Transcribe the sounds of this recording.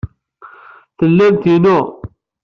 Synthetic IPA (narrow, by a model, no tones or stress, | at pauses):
θəlːæmt̪inʊ